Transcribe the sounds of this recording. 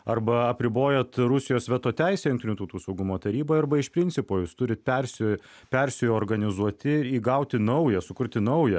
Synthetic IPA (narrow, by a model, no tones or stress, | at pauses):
ɐrbɐɐpʲɾʲɪboːjɛt̪ɾʊsʲɪjoːsʋʲɛt̪oːt̪ʲɛɪsʲɛjʊŋkt̪ʲɪnʲuːt̪ɐʊt̪uːsɐʊɡʊmoːt̪ɐɾʲiːboːjɐɾrbɐɪʃpʲɾʲɪnʲtsʲɪpoːjuːst̪ʊɾʲɪt̪̚pʲɛɾʲsʲʊ | pʲɛɾʲsʲɪjoːɾɡɐnʲɪzuɔt̪ʲɪiːɡɐʊt̪ʲɪnɐʊjɛsʊkʊɾʲt̪ʲɪnɐʊjɛ